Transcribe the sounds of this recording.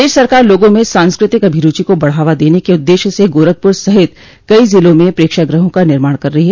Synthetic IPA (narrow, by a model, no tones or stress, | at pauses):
d̪eːʃsɐɾkaːɾloːɡõmẽsãːnskɾɪt̪ɪkɐbʱiɾuːt͡ʃikobɐɽ̤aːʋad̪eːnekeʊd̪ːeːʃseɡoːɾəɡ̚pʊɾsɐɦɪt̪ | kɐizɪlõmẽpɾeːkʃaɡɾəɦõkanɪɾmaːɽ̃kɐɾːɐɦiɦɛː